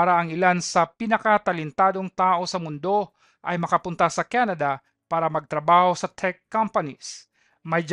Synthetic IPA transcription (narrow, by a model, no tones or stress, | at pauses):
aɾɐʔɐŋɪlansɐpɪnɐkɐt̪ɐlɪnt̪aːd̪o̞ŋt̪aːʔo̞sɐmʊnd̪o̞ | ʔɐjmɐkɐpʊnt̪ɐsɐkanɐd̪ɐ | paːɾɐmɐɡ̚t̪ɾɐbaːho̞sɐt̪ʰɛkːampɐnis | mɐjd͡ʒ